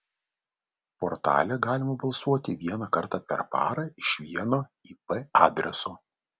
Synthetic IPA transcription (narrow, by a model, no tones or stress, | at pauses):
pɔɾt̪ɑ̰ːlʲɛɡɑːlʲɪmɐbɐlˠsuɔt̪ʲɪʋʲiɛnɑkɐɾt̪ɑːpʲɛ̰ɾpɑ̰ːɾɐɪʃʲʋʲiɛnoːipɛɑːd̪ʲɾʲɛ̰soː